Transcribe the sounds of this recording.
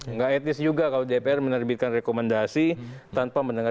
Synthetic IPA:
ŋɡaɛt̪ɪsd͡ʒuɡakalodepeɛrmənərbɪt̪̚kanrekomandasit̪anpaməndəŋa

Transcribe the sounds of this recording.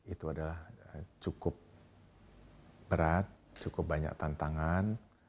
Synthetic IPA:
it̪uadalaht͡ʃukʊp̚ | bəɾat̪̚t͡ʃukʊp̚baɲa̰k̚t̪ant̪aŋan

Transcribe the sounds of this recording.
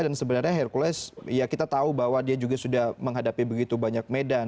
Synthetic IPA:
dansəbənarɲaɦairkulɛsjakit̪at̪aubaɦwadiad͡ʒuɡasudahməŋɦadapibəɡit̪ubaɲak̚medan

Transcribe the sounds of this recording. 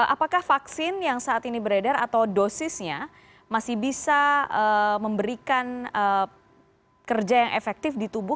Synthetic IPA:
ʔapakahfaksɪnjaŋsaʔːt̪inibəɾedarat̪awdosɪsɲa | masɪhbisaəməmbəɾikanə | kərd͡ʒajaŋʔḛfɛk̚t̪ɪfdit̪ubʊ

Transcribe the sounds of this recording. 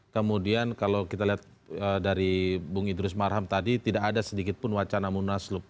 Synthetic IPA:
kəmudiankalawkit̪aliɦat̪̚ | ədaɾibuŋidɾʊsmarɦamt̪adit̪idakadasədikɪt̪̚pʊnwat͡ʃanamunaslʊp̚

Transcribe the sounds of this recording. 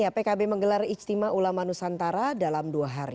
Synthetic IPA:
japekabeməŋɡəlarist̪imaʔulamanusant̪aɾadalamduaɦaɾḭ

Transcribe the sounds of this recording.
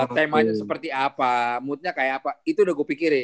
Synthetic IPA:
t̪ɛmaɲasəpərt̪iapamuʊt̪̚ɲakajaːpait̪udaɡupikɪɾɪ

